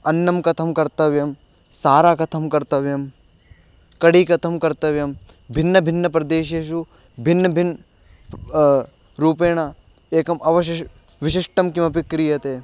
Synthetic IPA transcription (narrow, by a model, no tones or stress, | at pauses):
ɐnːɐmkɐt̪ʰɐmkɐɾt̪ɐʋjɐm | saːɾaːkɐt̪ʰɐmkɐɾt̪ɐʋjɐm | kɐɽiːkɐt̪ʰɐmkɐɾt̪ɐʋjɐm | bʱinːɐbʱinːɐpɾɐd̪eːʃ̬eːʃ̬u | bʱinːɐbʱin | ɾuːpeːɳ̃ɐ | eːkɐmɐʋɐʃ̬ | ʋiʃiʂʈɐmkimɐpikɾijɐt̪eː